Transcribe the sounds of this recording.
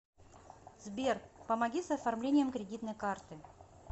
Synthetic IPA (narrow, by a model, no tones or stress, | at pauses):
zbʲerkpəmɐɡʲisɐfɐrmlʲenʲɪjəmkɾʲɪdʲit̪nəjkart̪ɨ